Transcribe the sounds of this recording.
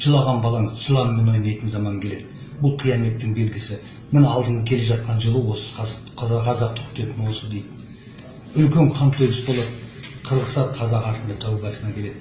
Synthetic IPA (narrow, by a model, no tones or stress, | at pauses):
ʒ̥əlˠɑʁɑnbɑlˠɑɴəzʒəlˠɑmmeno̞jnɑjt̪ənzɑmɑŋkʲʰe̞led̪ɪ | bʊlˠqʰijɑne̞t̪ːɪŋbe̞lɡʲɪsɪ | mɪnɑlˠd̪əɴəkʲʰe̞le̞ʒɑt̪̚qɑnʒəlˠəwo̞sə̥qʰɑ | qʰɑzɑq̚t̪ə̥kʲʰʏ̥t̪e̞t̪ɪnwo̞səd̪ejd̪ɪ | ʏlkʲe̞ɴqʰɑnt̪ʰɵɡʲɪsbo̞lˠɑt̪qʰəzəqsɑt̪qʰɑzɑqɑɾt̪ənd̪ɑt̪ʰæwbæɾsənɑkʲʰe̞le̞d̪ɪ